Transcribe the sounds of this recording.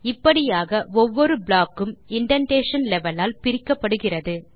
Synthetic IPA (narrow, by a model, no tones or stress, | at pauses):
ɪpːɐɽɪjaːɣɐʔɔʋːɔɾɯbɭaːkːɯmɪɳɖɐɳʈeːʂɐnlɛʋɐlaːlpɪɾɪkːɐpːɐɽɯɣɪrɐðɯ